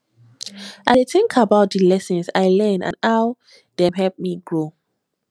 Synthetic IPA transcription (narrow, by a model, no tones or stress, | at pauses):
ʔadeθɪ̃ŋkʰabaʊt̚dəlɛsə̃nsaɪlɛ̃nã̰naw | d̥ɛɦɛlp̚miɡɹo